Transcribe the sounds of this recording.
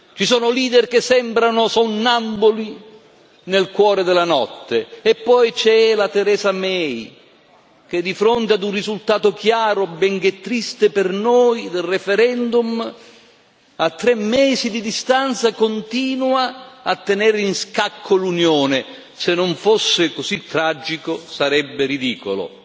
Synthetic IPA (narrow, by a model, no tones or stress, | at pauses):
t͡ʃisɔːnʊliːd̪erkesːɛmbɾanʊsonːamboli | nelkwɔːɾed̪ɪlanɔt̪ːeːpːɔjt͡ʃɛlat̪eɾɛːzamɛj | k̟ed̪ːifɾont̪ead̪unrizult̪aːt̪ʊkjaːɾobɛŋk̟et̪ːɾist̪epɪrnoːjd̪elrefɛɾɛnd̪um | at̪ːɾɛmːɛːzid̪id̪ist̪ant̪sakont̪iːnwaat̪ːenɛɾinskakʰːolunjoːnɪ | senːoɱfosːɪkosit̪ːɾad͡ʒːikosaɾɛbːɪɾid̪iːkolo̰